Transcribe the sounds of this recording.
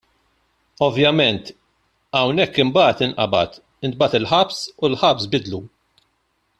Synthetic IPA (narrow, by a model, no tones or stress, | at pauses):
ɔvjɐmɛnt̪ | ɐwnɛkːɪmbɐːt̪ɪnʔɐ̰bɐ̰t̪ | ɪnt̪̚bɐt̪ɪlħɐpsulħɐpsbɪd̪lu